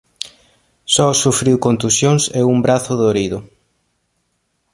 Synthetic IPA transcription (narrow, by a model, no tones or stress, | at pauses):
sɔsufɾiwkont̪usjoŋseumbɾaθʊðoɾiðʊ